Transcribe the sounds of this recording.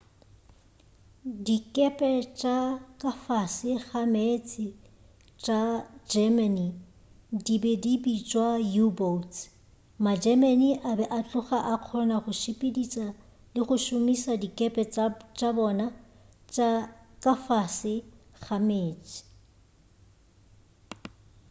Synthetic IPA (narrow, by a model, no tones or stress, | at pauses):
dikʼɛpʼɛt͡ʃʼakʼafasɪχamet͡sʰʼɪ | t͡ʃʼad͡ʒɛmani | dibɛdibit͡ʃʼwajubot͡s | mad͡ʒɛmaniʔabɛʔat͡ɬʼʊχaʔaq͡χʰɔnaχʊʃɪpʼedit͡sʼa | lɪχʊʃʊmisadikʼɛpʼɛt͡ʃʼabɔna | t͡ʃʼakʼafasɪ | χameːt͡sʼɪ̥